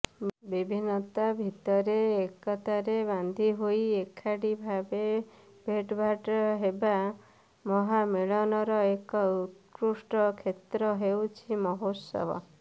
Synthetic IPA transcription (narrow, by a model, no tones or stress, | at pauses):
bibʱinɔt̪abʱit̪ɔɾeːkɔt̪aɾeβand̪ʱiɦoiekʰaɽibʱabe | bʱeʈbʱaʈɔɦeba | mɔɦameɭɔnɔɾɔekɔut̪kɾusʈɔkʰet̪ɾɔɦewt͡ʃʰimɔɦosɔ̰bʱɔ̰